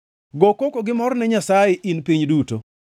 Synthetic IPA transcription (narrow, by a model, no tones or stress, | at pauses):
ɡokokoɡɪmɔɾnɛɲasajeʔinpiɲduto̰